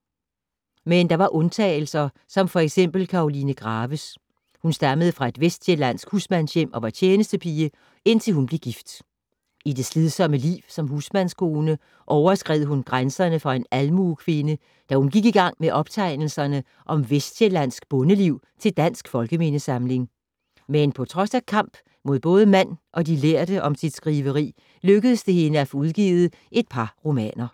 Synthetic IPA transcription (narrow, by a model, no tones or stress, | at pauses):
mend̥ɑ̈ʋɑ̈ʔɔ̽nt͡sʰɛ̰ːɪl̩sɐ | sɒ̽mfɒ̽eɡ̥sem̰b̥l̩kʰɑ̈o̝linəɡ̥ʁɑ̈ːʋəs | hunsd̥ɑ̈məð̞̩ˠəfʁɑ̈e̝d̥ʋesd̥jelæn̰sɡ̥husmænsjem̰ʔɒ̽ʋɑ̈t͡ɕʰjeːnəsd̥əpʰiːə | e̝n̰t͡sʰe̝lhunb̥le̝ɡ̥ifd̥ | id̥e̝sleðˠsɒ̽məlḭːʊsɒ̽mɦusmænskʰo̝ːnə | ʔɒʊɐsɡ̥ʁɛð̰ˠɦunɡ̥ʁansɐnəfɑe̝nælmuːkʰʋe̝nə | d̥æhunɡ̥iɡ̥iɡ̥ɑ̈ŋ̰meʔɒ̽b̥t͡sʰɑ̈ɪ̰nl̩sɐnə | ʔɒ̽mʋesd̥jelæn̰sɡ̥b̥ɔ̽nəliʊ̰ | t͡sʰe̝ld̥æn̰sɡ̥fɒ̽lɡ̥əme̝nəsɑ̈mle̝ŋ | menpʰɒ̽t͡sʰʁɒ̽sækʰɑ̈m̰b̥ | mo̝ð̞̰ˠb̥ɔ̽ːð̞ˠəmæn̰ʔɒ̽dileɐd̥əʔɒ̽msid̥sɡ̥ʁiʋəʁḭː | løɡ̥əð̩ˠəsd̥e̝he̝nəæfɔ̽uð̞ˠɡ̥ḭːð̞̩ˠ | ʔe̝d̥̚pʰɑ̈ʁo̝mɛ̰ːnɐ